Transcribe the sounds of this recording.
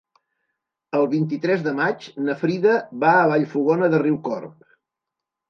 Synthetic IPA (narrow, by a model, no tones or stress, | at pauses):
əlˠβint̪̬it̪ɾɛzðəmat͡ʃnəfɾiðəβaəβaʎfuɣɔnəðəriwkɔ̰rp̚